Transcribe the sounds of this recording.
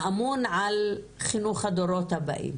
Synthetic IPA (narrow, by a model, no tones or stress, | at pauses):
ʔamunʕal | χinuχhad̪oɾot̪haba̰ʔḭm